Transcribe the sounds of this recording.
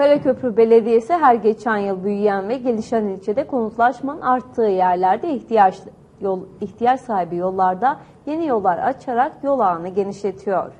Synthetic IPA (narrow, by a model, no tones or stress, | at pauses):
peɾʲecʰø̞pɾybe̞lʲe̞d̪ijesɛɦæɾɟe̞t͡ʃʰænjɯlˠbyjyjænvɛɟe̞lʲiʃænilʲt͡ʃʰed̪ɛkʰo̞nut̪lˠaʃmanaɾt̪ʰːɯːjæɾlʲæɾd̪ɛ | içt̪ʰijat͡ʃsaːɦibijo̞lˠːaɾd̪a | je̞nijo̞lˠːaɾa̰t͡ʃʰaɾakjo̞lˠaːnɯɟe̞niʃlʲe̞t̪ʰijo̞̰ɾ̥